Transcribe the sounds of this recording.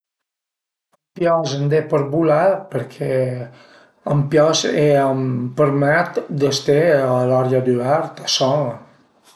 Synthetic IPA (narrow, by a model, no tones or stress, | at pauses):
əmpjɔzənd̪epəɾbulapəɾkʰɛ | əmpjɔseəmpəɾmɛt̪d̪əst̪ealɔɾjad̪yaɾt̪asɔ̃